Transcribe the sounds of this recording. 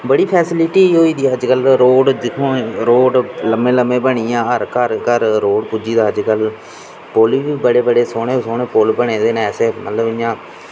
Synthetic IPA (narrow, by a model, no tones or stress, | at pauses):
bəɽiːpʰɛːsɪlɪʈiːɦoːiːd̪iːəd͡ʒkəlɾoːɖd͡ʒɪkʰõːɾoːɖləmẽːləmẽːbəɽ̃iːãːəɾkəɾkəɾɾoːɖpud͡ʒiːd̪aːəd͡ʒkəl | poliːʋiːbəɽeːbəɽeːsoːɽẽːsoːɳeːpolbəɽ̃ẽːd̪eːneɛːseːmə̰t̪ləbɪjãː